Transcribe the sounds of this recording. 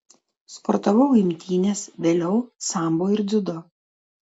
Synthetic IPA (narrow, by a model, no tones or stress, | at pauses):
spɔɾt̪ɐʋɐʊɪmʲt̪ʲiːnʲeːsʋʲeːlʲɛʊsɑˑmboːɪɾd̪ʲʊd̪ɔ